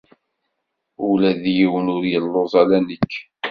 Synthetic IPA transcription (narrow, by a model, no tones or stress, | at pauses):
ulæðjiwənʊɾjəlːozˤælænəkː